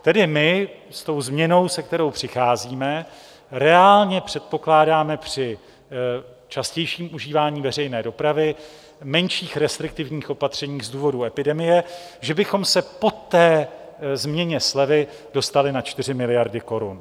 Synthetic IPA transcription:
t̪ɛdɪmɪ | st̪o̞wzmɲɛno̞wsɛkt̪ɛɾo̞wpr̝̥ɪxaːziːmɛ | ɾɛaːlɲɛpr̥ɛt̪̚po̞klaːdaːmɛpr̝̥ɪ | t͡ʃascɛjʃiːmʔuʒiːvaːɲiːvɛrɛjnɛːdo̞pɾavɪ | mɛnʃiːxɾɛst̪ɾɪk̚t̪ɪvɲiːxʔo̞pat̪r̝̥ɛɲiːxzduːvo̞duɛpɪdɛmɪjɛ | ʒɛbɪxo̞msɛpo̞t̪ːɛː | zmɲɛɲɛslɛvɪ | do̞st̪alɪnat͡ʃt̪ɪrɪmɪlɪjaɾdɪko̞ɾun

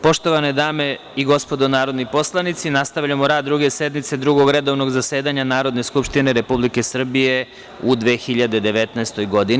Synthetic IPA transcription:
po̞ʃt̪o̞ʋaned̪aːme̞ | iɡo̞spo̞d̪onaːɾo̞d̪nipo̞slˠanit̪sinast̪aʋʎamoɾaːd̪ːɾuɡe̞se̞d̪mit̪se̞d̪ɾuɡo̞ɡɾe̞d̪o̞ʋno̞ɡzase̞ːd̪aɲanaːɾo̞d̪ne̞skupʃt̪ine̞ɾe̞publike̞sr̩bije̞ | ud̪ʋe̞ːxiʎad̪e̞d̪e̞ʋe̞t̪naest̪o̞jɡo̞d̪in

